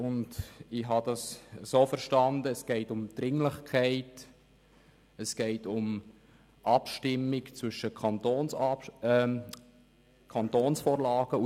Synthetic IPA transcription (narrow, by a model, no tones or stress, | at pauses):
ʊndɪɦɑd̥ɑssoːfəɾʃtɑnd̪əɛsɡ̥ɛɪtʊmd̥̪ɾɪŋləχkʰæɪt | əsɡ̥ɛɪtʊm | ʔɑpʃtɪmːɪkt͡sʋʏʃəkʰɑntoːnsɑ | kʰɑntoːnsfoːɾlɑːɡ̥əu